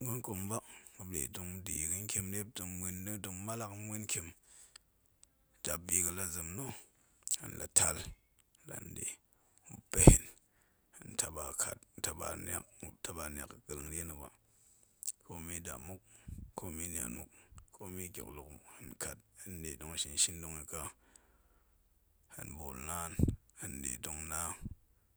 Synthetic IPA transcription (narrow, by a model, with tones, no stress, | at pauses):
ŋo˦nko˨ŋ˦ba˦u˨blḛ˨du˨ŋ˦di˨kɨ˦n˦kʲe˧mde˦b̚du˨ŋwʷe˦nːi˦dɨ˨ŋma˦la˦kmʷe˦nkʲe˨m˨ | da˨bi˨kɨ˨la˨zɨ˨mno˦ | ɨ̰˨n˨la̰˨tʰa˦l | la̰˨ndḛ˨ | u˦pe˦hi˨n | hɨ˨nta˨ba˨kʰa̰˨tta˨ba̰˨na̰˨kta˦ba˨n˨a̰˨kɡ̥ɨ˨lɨ˨ŋɾe˦nɨ˨ba̰˨ | ko˦mi˦da̰˨mu˦k̚ːo˦mi˦n˨a̰˨nṵ˦k̚ːʰo˦mi˦kʲo̰˨klu˨khɨ˨nka˨t̚hɨ˦nde˨do˨ŋi˨ʃi˨n˨ʃi˦ndo˦ŋi˨ka˦ | hɨ̰˨nbo˨lna˦nhɨ˨ndḛ˨do˨ŋna˦